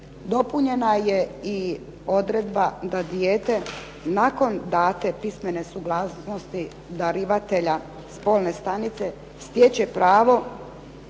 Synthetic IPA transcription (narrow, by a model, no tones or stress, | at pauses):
d̪o̞puɲe̞naje̞i | o̞d̪ɾed̪bad̪ad̪jeːt̪e̞ | nako̞nd̪aːt̪e̞pisme̞ne̞suɡlasno̞st̪i | d̪aɾiʋat̪e̞ʎa | spo̞lne̞st̪anit̪se̞ | st̪jet͡ɕe̞pɾaːʋo̞